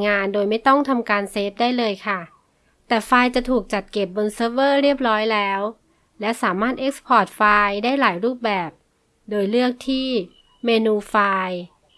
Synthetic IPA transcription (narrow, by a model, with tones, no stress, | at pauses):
ŋaː˧ndoː˧jma˥˩jt̪ɔ˥˩ŋt̪ʰa˧mkaː˧nseː˦˥p̚daː˥˩jlɤː˧jkʰa˥˩ | t̪ɛː˨˩faː˧jt͡ɕa˨˩t̪ʰuː˨˩k̚t͡ɕa˨˩t̪̚ke˨˩p̚bo˧nsɤː˦˥b̚ɤː˥˩ɾi˥˩əp̚ɾɔː˦˥jlɛː˦˥w | lɛ˦˥wsaː˩˦maː˥˩t̪̚ʔe˦˥k̚spʰɔː˨˩t̪̚faː˧jdaː˥˩jlaː˩˦jɾuː˥˩p̚bɛː˨˩p̚ | doː˧jlɯ˥˩ək̚t̪ʰiː˥˩ | meː˧nuː˧faː˧j